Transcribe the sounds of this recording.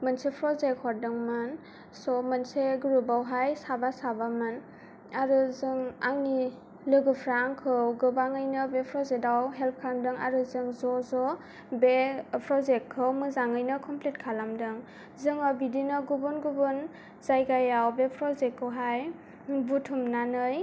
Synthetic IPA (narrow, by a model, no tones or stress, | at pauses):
mɯnsepʰɾɔzekhɔɾ̚dɯŋmɯn | sɔmanseɡɯɾubawɦajsabasabamɯn | aɾɯzɯŋaŋi | lɯɡɯpʰɾaŋkʰɯwɡɯbaŋɯjnɯbepʰɾɔzetawɦelp̚kʰaamdɯŋa̰ɾɯzɯŋzɔzɔ | bepʰɾɔzek̚kʰːɯwmɯzaŋɯjnɯkʰɔmplit̚kʰalamdɯŋ | zɯŋabidinɯɡubunɡubun | zajɡajawbepʰɾɔzekːɯwɦaj | butʰumnanɯj